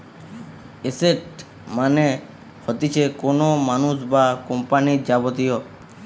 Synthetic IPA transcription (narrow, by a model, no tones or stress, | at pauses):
eseʈ | mane | hɔt̪it͡ʃʰekonomanusbakɔmpanid͡ʒabɔt̪ijɔ